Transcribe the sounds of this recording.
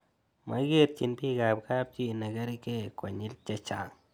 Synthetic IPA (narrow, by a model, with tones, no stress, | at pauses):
ma̰˦ɡe˦ɾ̚t͡ʃi˨npi˦ɡa˨p̚ka˦b̚t͡ʃi˦˨na˨ɡa˦ɾi˦ke˦kwa˨ɲi˦lt͡ʃa˦t͡ʃa˨ŋ